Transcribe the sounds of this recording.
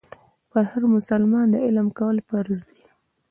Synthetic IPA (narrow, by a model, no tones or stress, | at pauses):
pəɾhaɾmʊsalmɑnd̪əɪlmkawəlpəɾzd̪i